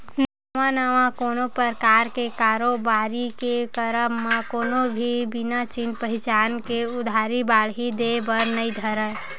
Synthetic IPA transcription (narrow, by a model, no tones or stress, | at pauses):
na | ʋãnaʋãkoːnopəɾkaːɾkekaːɾobaːɾikekəɾəmːekoːnobʱibinat͡ʃinpəɦɪt͡ʃaːnkeʊd̪ʱaɾibaɭɦid̪ebəɾnəĩd̪ʱəɾə